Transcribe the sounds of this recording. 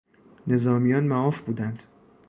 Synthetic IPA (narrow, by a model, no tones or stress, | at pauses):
ne̞zɒːmijɒːnmæɒːfbuːd̪ænd̪̥